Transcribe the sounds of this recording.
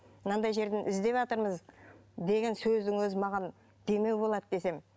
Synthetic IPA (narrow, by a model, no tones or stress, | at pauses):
mənɑnd̪ɑjʒe̞ɾd̪ɪnʔɪzd̪e̞vɑt̪əɾməzd̪e̞ɡʲe̞nsɵzd̪ɪŋwɵzɪmɑʁɑn | d̪̥e̞me̞wbo̞lˠɑd̪d̪e̞se̞m